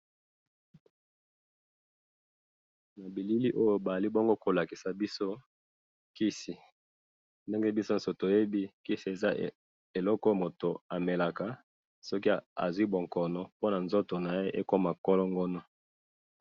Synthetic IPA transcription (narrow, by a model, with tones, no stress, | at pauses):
na˨bi˨li˦li˦ʔo˦jo˦ba˨a˨li˦bo˦ŋɡo˦ko˨la˨ki˨sa˨bi˦so˦ | ki˦si˨ | nde˦ŋɡe˦bi˦so˦n̩˨so˨to˨e˦bi˦ki˦si˨e˨za˦ | e˨lɔ˦kɔ˦mo˨to˨a˨me˨la˨ka˨ | sɔ˦ki˦˨a̰˨zwi˦bo˨ŋkɔ˨nɔ˨po˦na˨nzo˦to˨na˨je˦ʔe˦ko˦ma˨kɔ˦lɔ˦ŋɡɔ˦nɔ˦